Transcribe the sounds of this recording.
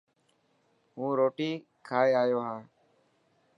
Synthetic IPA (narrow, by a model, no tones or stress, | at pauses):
ɦũːɾoːʈiː | kʰaːeːaːjoːɦãː